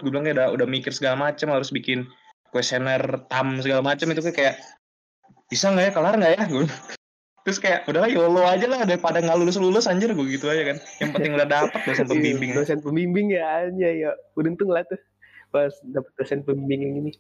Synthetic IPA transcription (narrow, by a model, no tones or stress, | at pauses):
ɡublaŋkajaudaudahmikɪrsəɡalamat͡ʃamhaɾʊsbikɪn | kwɛsnərt̪amsəɡalamat͡ʃamit̪ukakajaʔ | bisaŋɡajakəlarŋɡaʔjahɡu | t̪ɾʊskajaʔudalajoload͡ʒalaudapadaŋalulusəlulʊsaɲd͡ʒərɡʊɡit̪uad͡ʒakanjaŋpənɪŋudahdapət̪̚bosɛnpəmbimbɪŋəsɛn̚pəmbimbɪŋɡaɲajabədənt̪ʊŋlaht̪ʊ | basdapət̪̚bəsɛn̚pəmbimbɪŋɪŋini